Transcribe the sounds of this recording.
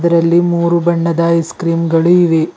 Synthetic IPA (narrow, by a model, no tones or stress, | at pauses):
d̪ɐɾɐlːimuːɾubɐɳːɐd̪ɐiskɾiːmɡɐɭuiʋe